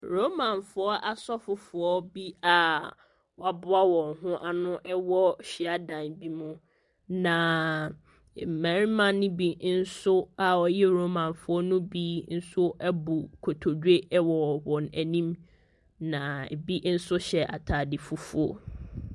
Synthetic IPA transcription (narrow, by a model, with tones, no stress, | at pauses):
ɾo˦mã˨nfʊ˨ɔ˦ʔa˨sɔ˦fʊ˨fʊ˨ɔ˦bi˦a˨ | wɔ˦˨a˨bʊ˦a˦wɔ̃˨ŋɦʊ̃˦ʔa˨nʊ̃˦ʔɛ˦wɔ˦ɕi˨a˦dã˨nbi˦mʊ̃˦ | nã˨ | m̩˨mã˨ɾi˦mã˨nʊ̃˦bi˨n̩˦sʊ˦a˨wɔ˨jɛ˦ɾo˦mã˨nfʊ˨˦ɔ˦nʊ̃˦bi˦n̩˦sʊ˦ʔɛ˦bu˨kʰo˨tʰo˨de˦wɔ˨wɔ̃˨næ˨nĩ˦m | nã˨bi˦n̩˦sʊ˦ɕɛ˨ʔa̰˨tʰaː˨dɪ˨fʊ˨fʊ˨ɔ˦